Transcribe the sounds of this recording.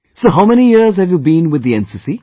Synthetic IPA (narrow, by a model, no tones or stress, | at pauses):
soɦaʊmɛñijɪɹzhɨvjubĩnwɨðiɛ̃nsisi